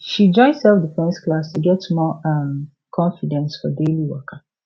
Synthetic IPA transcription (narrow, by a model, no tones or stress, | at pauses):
ʃid͡ʒɔ̃ɪ̃nsɛlfdəpʰɹɛ̃ɪ̃sklastʰuɡɛtsmɔãm | kʰɔ̃ɱfidɛ̃nsfɔdeliwɔkʰə